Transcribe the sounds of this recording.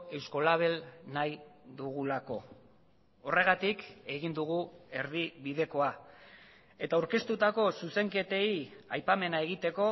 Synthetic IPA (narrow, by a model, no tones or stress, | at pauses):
e̞wsko̞laβ̞e̞lnajðuɣ̞ulako̞ | ore̞ɣ̞at̪ike̞ɣ̞ind̪uɣ̞ue̞ɾðiβiðe̞ko̞a | e̞t̪awɾke̞st̪ut̪ako̞suse̞ŋke̞t̪eiajpame̞nae̞ɣit̪e̞ko̞